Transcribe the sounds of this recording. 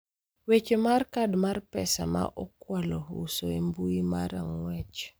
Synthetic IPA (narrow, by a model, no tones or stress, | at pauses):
wet͡ʃemarkadmarpɛsa̰ma̰ʔɔkwalɔṵsoembuima̰ɾaŋwɛt͡ʃ